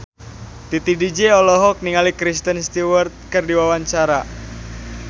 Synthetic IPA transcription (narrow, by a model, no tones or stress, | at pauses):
t̪it̪idid͡ʒeɔlɔɦɔk̚niŋalikɾist̪ənst̪iwərt̪̚kərdiwawaɲt͡ʃaɾa